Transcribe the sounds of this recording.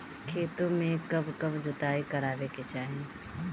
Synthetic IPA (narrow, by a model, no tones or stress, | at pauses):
kʰeːt̪õmẽkɐbkɐbd͡ʒʊt̪aːikɐɾaːʋeket͡ʃaːɦẽ